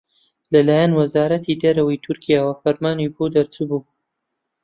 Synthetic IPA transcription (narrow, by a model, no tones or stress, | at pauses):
lɐlaːjanwɐzaːɾɐt̪ʰid̪ɐɾɐwɐjt̪ʰʊɾkʰijaːwɐfɐɾmaːnibod̪ɐɾt͡subuː